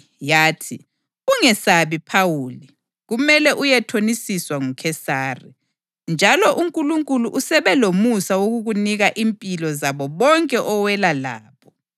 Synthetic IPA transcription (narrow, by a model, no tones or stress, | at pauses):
jaːtʰi | uŋɛsaβipʰawuːli | ɣumɛlɛʔujɛtʰonisiswaŋukʰɛsaːrḭ | nd͡ʒʱalɔʔuŋkʼuluŋkʼuluʔusɛβɛlomusawoɣuɣuniɣaʔimpʼilɔzaβɔβɔŋkʼɛʔɔwɛlala̰ːpʰɔ̥